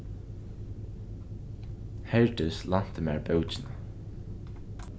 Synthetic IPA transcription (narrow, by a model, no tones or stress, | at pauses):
hɛɹt̪ɪslan̥t̪ɪma̰ːɹbœwt͡ʃɪna